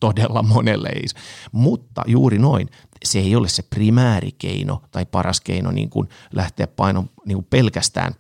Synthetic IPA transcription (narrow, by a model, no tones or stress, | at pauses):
t̪odelːɑmonelːḛḛismut̪ːɑ̰juːrinoin | seeiolːesseprimæːrḭkḛinot̪ɑipɑrɑskḛino̰nḭːŋkun | lʔæht̪eæppɑinomniːŋkuppelkæst̪æ̰ːn